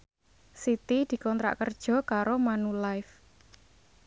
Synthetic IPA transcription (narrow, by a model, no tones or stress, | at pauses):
sit̪id̪̥i̤kɔnt̪ɾa̰ʔkərd̥ʒ̥ɔ̤kaɾomanulaɪf